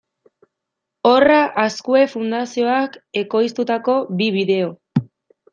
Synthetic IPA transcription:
o̞raʔaskue̞fund̪asio̞ake̞ko̞jst̪ut̪ako̞biβiðe̞o̞

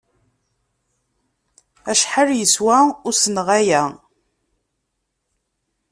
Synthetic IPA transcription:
æʃħəljəswæʊɾsənʁæjæ

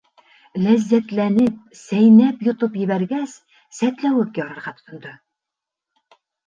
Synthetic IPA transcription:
læzːæt̪lænɪp̚sæjnæpjot̪ʊpjɪ̆bæɾɡʲæs | sæt̪læwɘk̚ʲjɑɾɑɾʁɑt̪ʰʊ̥t̪ʰʊnd̪ɨ

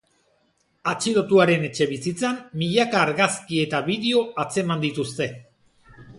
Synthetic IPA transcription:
at͡ʃilo̞t̪uaɾe̞ne̞t͡ʃe̞βisit͡samːiʎakaːɾɣaskie̞t̪aβiðeo̞at͡se̞mand̪it̪ust̪e̞

